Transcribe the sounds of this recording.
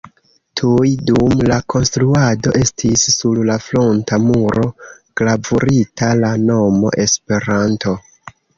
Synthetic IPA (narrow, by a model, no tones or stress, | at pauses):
tʰujdumlakʰo̞nstɾuado̞ʔe̞stʰisːullaflontamuɾo̞ | klavuɾitʰalano̞mo̞̰ʔe̞spe̞ɾanto̞